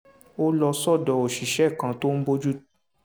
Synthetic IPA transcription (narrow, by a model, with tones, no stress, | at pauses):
o˦lɔ˧sɔ˦˨dɔ˨o˨ʃi˨ʃɛ˦˨kã˧to˦n̩˦bo˦d͡ʒu˦